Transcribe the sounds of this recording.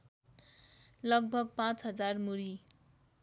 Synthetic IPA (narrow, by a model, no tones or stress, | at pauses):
lʌɡ̚bʱʌɡ̚pãt͡sɦʌd͡zarmuɾi